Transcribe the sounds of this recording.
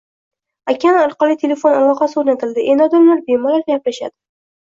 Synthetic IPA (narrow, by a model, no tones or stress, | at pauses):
akʲʰanɑɾˠqɒlˠit̪ʰe̞le̞fo̞nalˠɒqɑsɪoɾnat̪ʰɪld̪ɪʔenɒd̪ɪmlaɾbemɒlaɾɡʲaplaʃa̰d̪ɪ